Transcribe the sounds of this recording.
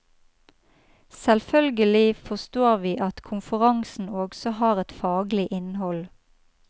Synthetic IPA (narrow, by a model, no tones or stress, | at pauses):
sɛlfœlɡəlɪfɔst̪oːʁʋiːʔɑt̪kʰʊmfəʁɑŋsn̩oːɡsɔhɑːʁɛt̪fɑːɡlɪʔɪnhɔl